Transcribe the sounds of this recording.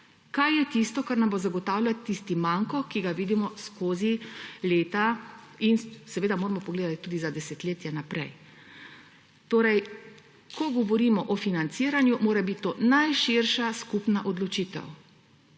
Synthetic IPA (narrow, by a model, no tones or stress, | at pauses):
kajːɛt̪ist̪ɔkaɾnambozaɡɔt̪aːwlʲjat̪ːist̪imaŋkɔkiɡaʋiːd̪imɔskoːzileːt̪ainsɛʋeːd̪amoːɾɛmɔpɔɡleːd̪at̪i̥t̪uːd̪izad̪ɛsɛt̪leːt̪jɛnapɾɛ̰j | t̪oːɾɛj | kʰɔɡɔʋɔɾimɔʔɔfinant̪siːɾanjumoːɾɛbit̪t̪ːoːnajʃiɾʃaskupnaʔɔd̪lɔt͡ʃiːt̪ɛ̰w